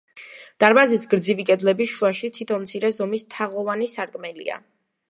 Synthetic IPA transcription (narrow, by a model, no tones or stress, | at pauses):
d̪̥aɾmazisɡɾd̪zivikʼɛd̪lɛbisʃuaʃit̪ʰit̪ʰɔnmt̪sʰiɾɛzɔmist̪ʰaʁɔvanisaɾkʼmɛlḭa̰